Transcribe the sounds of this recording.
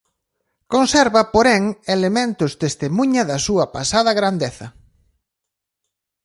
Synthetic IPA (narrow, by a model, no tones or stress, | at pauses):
konsɛɾβɐpoɾɛŋelemẽnt̪ʊst̪est̪emuɲɐðɐsuɐpasaðɐɣɾand̪eθɐ̰